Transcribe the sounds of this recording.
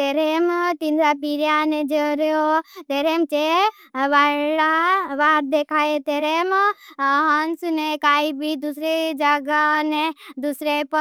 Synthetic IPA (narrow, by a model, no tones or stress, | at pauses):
t̪eɾemt̪ind̪ɾapiɾjaned͡ʒəɾjot̪eɾemt͡ʃe | ʋaɽaʋaːɾd̪ekʰaet̪eɾem | ɦənsnekaibʱid̪usɾed͡ʒəɡaned̪usɾep